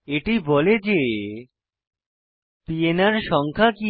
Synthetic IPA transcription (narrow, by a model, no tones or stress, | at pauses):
eʈibɔled͡ʑe | pienaɾʃɔŋkʰaki